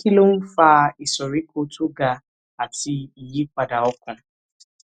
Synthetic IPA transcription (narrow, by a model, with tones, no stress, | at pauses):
ki˦lo˦m̩˦faː˦˨i˨sɔ˨ɾi˦ko˦tu˦ɡa˨ | a˨ti˨i˨ji˦kʷa˨da˨ɔ˦kʷa˨